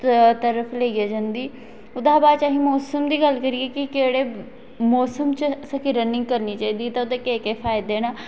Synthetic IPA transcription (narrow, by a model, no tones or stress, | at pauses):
t̪əɾəfʰleːiaːd͡ʒənd̪iː | ʊd̪aːbaːt͡ʃaːɦĩmɔːsəmd̪iːɡəlkəɾiːeːkikeːɽeː | mɔːsəmt͡ʃəsɐkʰiɾənɪ̃ŋɡkəɾniːt͡ʃaːiːd̪it̪aʊd̪eːkeːkeːfʰaːɪd̪eːñaː